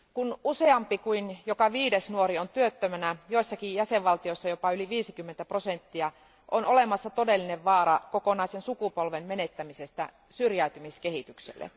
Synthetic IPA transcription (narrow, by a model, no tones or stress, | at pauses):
kunuse̞ɑmpikuinjokɑʋiːdesnuoɾiont̪yøt̪ːømænæjoisːɑkijjæseʋʋɑlt̪ioisːɑjopɑyliʋiːsikymːent̪æpro̞sent̪ːiɑ | ʔonolemɑsːɑt̪odelːineʋʋɑːɾɑkokonɑisensukupolʋemmenet̪ːæmisest̪æ̰ | syrjæyt̪ymiskehit̪yksḛlːḛ